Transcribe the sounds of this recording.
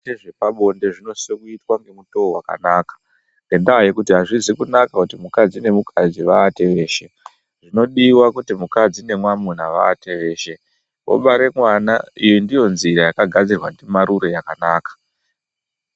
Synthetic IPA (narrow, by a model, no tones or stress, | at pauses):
eʐe̞paɓo̞nde̞ʐino̞sekuitwaŋɡe̞muto̞owaka̰naːkḁ | ŋɡe̞ndaɦajekutiɦaʐizikunakakutimukad͡zine̞mukʰad͡ziʋaːte̞ʋe̞ːʃe̞ | ʐ̥ino̞ɗiwakutimukad͡zine̞mwamun̤aʋaːte̞ʋe̞ːʃe̞ | wo̰ɓaɾe̞mwanaijindijo̞nziɾajakaɡʱad͡zirwandemaɾuɾo̞jakanaːkḁ